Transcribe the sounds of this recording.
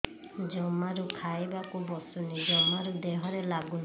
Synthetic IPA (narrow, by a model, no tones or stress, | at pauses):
d͡ʒɔmaɾukʰajbakubɔsunid͡ʒɔmaɾud̪ɛɦɔɾɛlaɡun